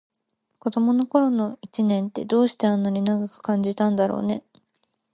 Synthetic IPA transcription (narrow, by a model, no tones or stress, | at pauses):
ko̞d̪o̞mo̞no̞ko̞ɾo̞no̞it͡ɕinẽ̞nt̪e̞d̪o̞ːɕi̥t̪e̞ãnːaɲ̟ʲinaɡakɯ̟̥kãɲ̟d͡ʑit̪ãnd̪aɾo̞̰ːne̞